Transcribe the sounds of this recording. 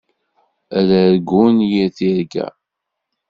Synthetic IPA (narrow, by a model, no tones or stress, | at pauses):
ælæɾɡunjiθiɾɡæ̰